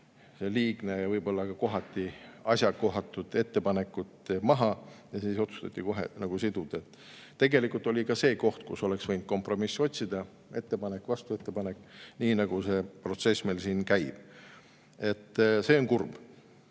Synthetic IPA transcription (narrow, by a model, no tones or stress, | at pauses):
se̞liːɡ̥ne̞jɑvɤjbo̞lːɑkɑko̞ɦɑt̪ʲˑːiɑsʲjɑkːo̞ɦɑt̪ːˑud̪̥e̞t̪ːe̞pɑne̞kːˑut̪ːmɑɦɑjɑsiːso̞t̪su̥st̪ɑt̪ːˑiko̞ɦḛnɑɡ̥usid̪̥ud̪̥et̪ːˑ | t̪ːe̞ɡe̞likˑult̪o̞lʲikɑse̞ːko̞ht̪̚kṵso̞le̞ksvɤjnd̪̚ko̞mpro̞misːo̞t̪ʲsid̪̥ɑ | e̞t̪ːe̞pɑne̞kːvɑst̪ue̞t̪ːe̞pɑnekːˑniːnɑɡ̥use̞ːpro̞t̪se̞smelsiːnkæjb̥ | e̞t̪ːse̞ːoŋkurb̥